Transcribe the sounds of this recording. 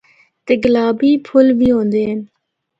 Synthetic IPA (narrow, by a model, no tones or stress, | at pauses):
t̪eɡəlaːbiːpʰʊlʋiːɦõːnd̪eːɦən